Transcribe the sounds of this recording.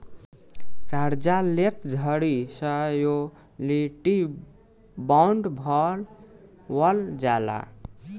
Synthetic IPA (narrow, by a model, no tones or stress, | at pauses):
kaɾd͡ʒalet̪d͡zʱʌɽisʌjo | liʈi | bawɳɖbʱʌl | wʌld͡ʒala̰